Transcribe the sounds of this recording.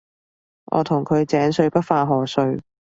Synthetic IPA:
ʔɔ̰ː˨˧t̪ʰʊ˨˩ŋkʰɵ˨˧ɥt͡sɛː˨˥nsɵ˧ɥpɐ˥t̚faː˧ɦɔː˨˩sɵ˧ɥ

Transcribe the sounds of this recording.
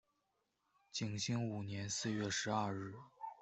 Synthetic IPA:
t͡ɕi˨˩ŋɕi˥ŋu˨˩njɛ˧˥nsɹ̩˥˧ɥɛ˥˩ʂɻ̩˧˥ɐ˞˥˧ɻɻ̩˥˩

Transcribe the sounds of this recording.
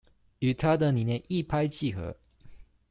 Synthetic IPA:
y˨˩t̪ʰa˦d̪ə˨ni˨˩˦njɛ˥˧ni˥˨pʰa˥ɪt͡ɕʰi˥˩˨xɤ̰˧˥˦

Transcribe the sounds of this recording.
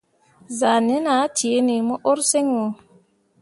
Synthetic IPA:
za˨ne˦na˨˦ti˨e˨˦ni˨mo˦ʔo˦ɾse˦ŋwo˨

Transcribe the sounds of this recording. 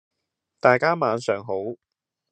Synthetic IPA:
t̪aː˨jkaː˥maː˨˧nsœː˨˩ŋɦo˨˥w

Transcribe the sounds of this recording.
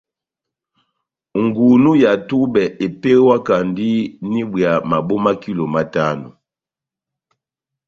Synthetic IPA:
ŋ˨ɡu˨nu˦ja˨tu˦bɛ˨ʔe˨pe˦ɣwa˦ka˨ndi˦ni˦bwja˨ma˨bo˦ma˦ki˦lo˨ma˦ta˦nu˨

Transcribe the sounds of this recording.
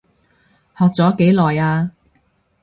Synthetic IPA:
hɔː˨k̚t͡sɔː˨˥ke˨˥jlɔː˨jaː˧

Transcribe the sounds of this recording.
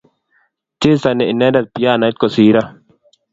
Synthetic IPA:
t͡ʃi˦sa˨nɛ˨i˨nɛ˦da˨t̪̚pi˨jaː˦˨na˨˦t̪̚ko˨siː˨ɾa˦

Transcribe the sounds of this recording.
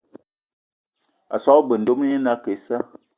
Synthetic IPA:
a̰˨sɔ˦bə˨n̩˨do˦m˦e˦na˦ke˨˦sa˦

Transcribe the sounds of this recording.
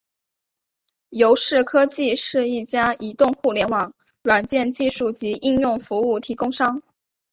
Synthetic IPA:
jo˧˥ʊʂɻ̩˥˩kʰɤ˥t͡ɕi˥˧ʂɻ̩˥˧i˥˩t͡ɕja˥i˨˩t̪ʊ˥˧ŋxu˥˩ljɛ˧˥nwɑ˨˩˦ŋ | ɻwa˨˩nt͡ɕjɛ˥˧nt͡ɕi˥˧ʂu˥˩t͡ɕi˧˥ʔi˥˧njʊ˥˩ŋfu˧˥u˥˩t̪ʰi˧˥kʊ˥ŋʂɑ˥ŋ

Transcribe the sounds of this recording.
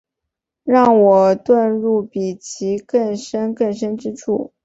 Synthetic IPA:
ɻɑ˥˩ŋwɔ˨˩t̪wa˥˧nɻu˥˩pi˨˩t͡ɕʰi˧˥kə˥˩nʂə˥nkə˥˩nʂə˥nʈ͡ʂɻ̩˥ʈ͡ʂʰṵ˥˩

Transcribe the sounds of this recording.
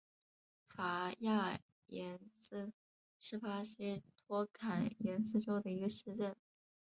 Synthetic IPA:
fa˧˥ja˥˩ | jɛ˧˥nsɹ̩˥˩ | ʂɻ̩˥˩fa˥ɕi˥t̪ʰwɔ˥kʰa˨˩njɛ˧˥nsɹ̩˥˧ʈ͡ʂo˥ʊd̪ə˨i˧˥ɡə˧ʂ̩˥˧ʈ͡ʂə˥˩n

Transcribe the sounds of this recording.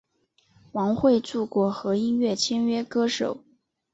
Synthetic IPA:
wɑ˧˥ŋxwe˥˧ɪt͡su˥˩kwɔ˧˥xɤ˧˥i˥nɥɛ˥˩t͡ɕʰjɛ˥nɥɛ˥kɤ˥ʂo˨˩˦ʊ

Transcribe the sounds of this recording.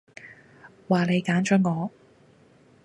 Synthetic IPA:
waː˨˩ne˨˧jkaː˨˥nt͡ʃœː˨˥ŋɔː˨˧

